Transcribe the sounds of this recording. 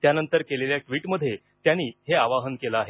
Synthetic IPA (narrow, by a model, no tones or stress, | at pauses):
t̪janənt̪əɾkeleljaʈʋiːʈməd̪ʱːje | t̪janiːɦeaʋaɦənkelaaɦe